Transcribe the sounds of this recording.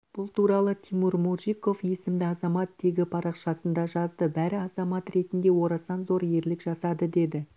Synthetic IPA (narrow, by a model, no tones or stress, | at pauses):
b̥ʊlˠt̪ʰuɾɑlˠət̪ʲʰimuɾmuʒijko̞fje̞sɪmd̪ɪɑzɑmɑt̪ːʰe̞ɡʲɪpʰɑɾɑqʃɑsənd̪ɑʒɑzd̪əbæɾɪɑzɑmɑt̪ɾe̞t̪ɪnd̪e̞wo̞ɾɑsɑnzo̞ɾje̞ɾlɪkʒɑsɑd̪əd̪e̞d̪ɪ